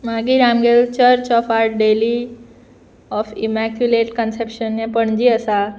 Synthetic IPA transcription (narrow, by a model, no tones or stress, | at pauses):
maːɡiɾamɡelt͡ʃəɾt͡ʃɔpʰaɾʈɖeli | ɔpʰimɛkjuleʈkənsepʃənːẽpəɳd͡ʒiəsa